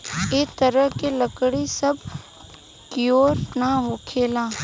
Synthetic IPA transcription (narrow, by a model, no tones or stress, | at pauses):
eːt̪əɾəɦkeləkɽisəb | kɪjoːɾnaɦoːkʰeːlãː